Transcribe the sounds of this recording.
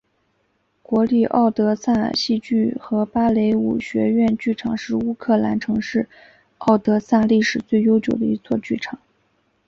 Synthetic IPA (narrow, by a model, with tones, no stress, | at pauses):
kwɔ˧˥li˥˩ʔɑ̰˥˩ʊt̪ɤ˧˥sa˥˩n̰˨˩ɕi˥˧t͡ɕy˥˩xɤ˧˥pa˥le˧˥ɪṵ˨˩ɕɥɛ̰˧˥ɥɛ˥˧nt͡ɕy˥˩ʈ͡ʂʰɑ˨˩ŋʂɻ̩˥˧u˥kʰɤ˥˩la̰˧˥nʈ͡ʂʰɤ˧˥ŋʂɻ̩˥˩ | ɑ˥˩ʊt̪ɤ˧˥sa˥˧li˥˩ʂɻ̩˨˩t͡swe˥˩ɪjo˥ʊt͡ɕjo˨˩ʊd̪ə̰˦i˧˥t͡swɔ˥˧t͡ɕy˥˩ʈ͡ʂʰɑ˨˩˦ŋ